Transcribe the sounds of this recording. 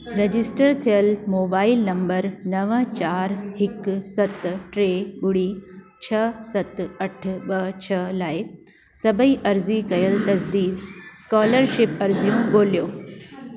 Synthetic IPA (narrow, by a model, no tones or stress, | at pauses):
ɾed͡ʑɪsʈəɾt̪ʰijəlmoːbaːɪlnɐ̃mbəɾnɐʋət͡ɕaːɾɦɪksɐt̪ʈɾeːɓʊɽi | t͡ɕʰɐsɐt̪ɐʈ̆ʰɓɐt͡ɕʰɐlaːɪ | sɐbʱəiʔɐɾzikɐjəlt̪ɐsd̪iːd̪skɔːləɾʃɪpɐɾzijũɡoːlijoː